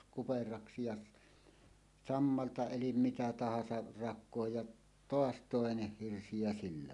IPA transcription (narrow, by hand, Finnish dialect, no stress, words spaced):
kuperɑksi jɑ s sɑmːɑltɑ elim mitæ tɑhɑsɑ rɑkˑoːj jɑʔ toɑs toˑeneh hirsi jɑ silːæ